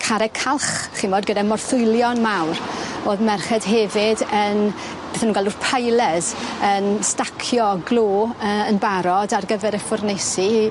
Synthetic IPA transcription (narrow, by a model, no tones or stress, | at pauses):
kʰaɾɛkʰalˠχχimɔdɡədamɔrθʊɨlˠjɔnmawɾoːðmɛrχɛd̥ɦɛvɪdən | b̥eːθɛnuːnɡalˠdurpʰajlˠɛzənstakʰjɔɡlˠoːəənbaɾɔdarɡəvɛɾɛfʊrnesi